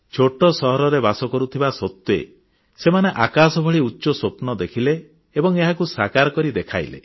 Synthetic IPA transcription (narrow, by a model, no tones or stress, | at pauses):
t͡ʃʰoʈɔsɔɦɔɾɔɾebasɔkɔɾut̪ʰibasɔt̪wḛ | semaneʔakasɔbʱɔɭiutːʃɔsopnɔd̪ekʰileː | bɔŋeɦakusakaɾɔkɔɾid̪ekʰa̰jlḛ